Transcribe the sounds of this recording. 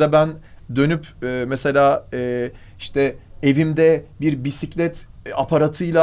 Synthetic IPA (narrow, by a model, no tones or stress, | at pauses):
abæn | d̪ø̞nypɛːmese̞lʲaːɛː | iʃt̪ʰɛevimd̪ɛbiɾbisiclʲɛt̪apʰaɾat̪ʰɯjlˠa